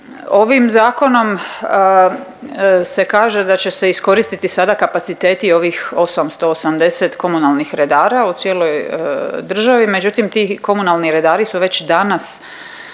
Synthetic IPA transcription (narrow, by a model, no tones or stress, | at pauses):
o̞ʋimzaːko̞no̞m | se̞kaːʒe̞d̪at͡ɕe̞se̞isko̞ɾist̪it̪isad̪akapat̪sit̪e̞ːt̪io̞ʋixo̞samst̪o̞ːsamd̪e̞set̪ko̞munalˠnixɾe̞d̪aːɾaut̪sje̞ːlo̞jd̪r̩ʒaʋime̞d͡ʑut̪imt̪iːko̞munalˠniɾe̞d̪aːɾisuʋe̞t͡ɕd̪anas